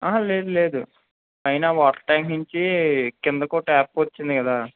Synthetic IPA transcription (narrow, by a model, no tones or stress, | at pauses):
ɐɦɐ̃leːd̪ule̞ːd̪u | ɐjnaːʋaːʈɐ̥ʈaːŋkiɲt͡ʃikɪnd̪ɐkoːʈaːp̚ːʋɐt͡ʃːind̪ikɐd̪aː